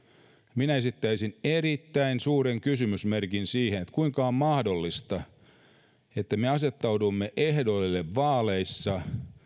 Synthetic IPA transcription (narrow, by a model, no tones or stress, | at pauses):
minæesit̪ːæisinerit̪ːæinsuːreŋkysymysmerkinsiːhenet̪kuiŋkɑommɑhdolːist̪ɑ | et̪ːæmeɑset̪ːɑwdumːeʔehdolːeʋːɑːleisːɑ